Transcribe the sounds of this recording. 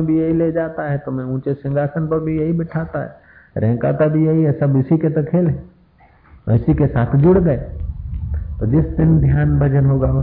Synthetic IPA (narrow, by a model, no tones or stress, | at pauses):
bʱijɐɦiled͡ʒaːt̪aɦɛt̪ʊmẽũːt͡ʃesɪ̃ŋɡʱaːsənpɐɾbʱijɐɦibɪʈʰaːt̪aɦɛ̰ː | ɾʔɛ̃ːka̰ːt̪abʱijɐɦiɦɛsabɪsiket̪ɐkʰeːlɦɛ | ɪsikesa̰ːt̪ʰd͡ʒʊɽɡɐe | t̪od͡ʒɪsd̪ɪnd̪ʱjaːnbʱɐd͡ʒənɦoɡao